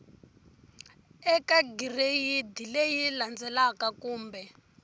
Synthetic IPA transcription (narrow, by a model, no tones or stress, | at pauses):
ɛkaɡirejid̪ilejiland͡zɛlakakuːmbɛ